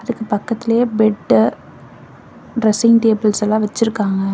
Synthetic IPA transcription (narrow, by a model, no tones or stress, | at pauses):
ɐðɯkːɯpɐkːɐt̪ːɪlɐjeːbɛɖ | ɾɐsɪŋʈeːbɐlsɛlːãːʋɐt͡ʃːɪɾɯkːaːŋɡɐ